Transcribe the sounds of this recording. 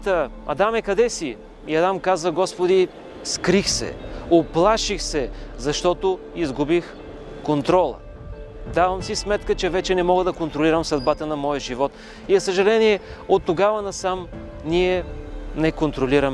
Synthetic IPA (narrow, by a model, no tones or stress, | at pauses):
t̪əɐ̰d̪amɛkɐd̪ɛsi | iɐd̪amkazəɡɔspod̪i | skɾixsɛ̰oplˠaʃixsɛzɐʃt̪ɔt̪o | izɡubix | kont̪ɾɔlˠə̰ | d̪avɐmsismɛt̪kət͡ʃɛvɛt͡ʃɛnɛmɔɡəd̪ɐkont̪ɾoliɾəmsɐd̪bat̪ənɐmɔjəʒivɔt̪ | izɐsəʒɐlɛniɛot̪ːoɡavɐnɐsam | niɛnɛkont̪ɾoliɾəmɛ